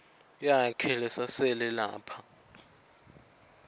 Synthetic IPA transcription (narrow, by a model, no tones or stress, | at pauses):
jakʰɛlɛsasɛlɛla̰ːpʰa